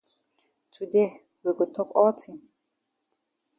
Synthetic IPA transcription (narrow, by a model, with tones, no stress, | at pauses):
tʰu˨de˦ | wi˨ɡo˨t̪ʰɔ˦kɔ˦tʰĩ˨n